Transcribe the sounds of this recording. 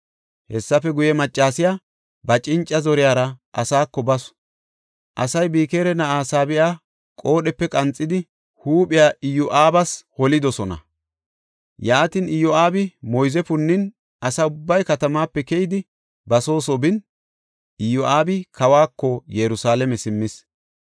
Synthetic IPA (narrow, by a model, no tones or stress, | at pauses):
hɛsːɐfɛɡʊjɛmɐt͡ʃʼːaːsɪjaː | bɐt͡ʃʼɪnt͡ʃʼːɐzɔɾɪjaːɾɐʔɐsaːkːɔbɐs | ʔɐ̰sɐjbiːkeːɾɛnɐʔaːsaːbɪjaː | kʼo̞ːɗɛpːɛkʼɐnt͡sʼːɪd̪ɪ | huːpʼɪjaːɪjɔʔaːbɐshɔlɪd̪ɔsɔnɐ̰ | jaːt̪inɪjɔaːbɪmɔjzɛfʊnːɪn | ʔɐsɐʊbːɐjkɐt̪ɐmaːpːɛkɛjɪd̪ɪ | bɐso̞ːsɔbɪn | ʔɪjɔʔaːbɪkɐwaːkːɔjɛɾʊsaːlɛmɛsɪmːɪs